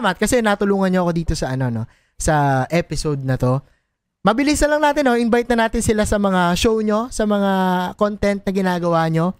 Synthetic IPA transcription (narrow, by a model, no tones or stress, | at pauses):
mɐt̪̚kɐsɛnaːt̪ʊluːŋɐnɲoʔɐko̞d̪iːt̪o̞sɐʔɐno̞no̞ | sɐʔɛpɪsowd̪̚nɐt̪o̞ | mɐbɪlisnɐlɐŋnaːt̪ɪnːo̞ʔɪnbajt̪̚nɐnaːt̪ɪnsɪlasɐmɐŋaʃo̞wɲo̞sɐmɐŋakont̪ɛnt̪̚nɐɡɪnaːɡɐwaːɲo̞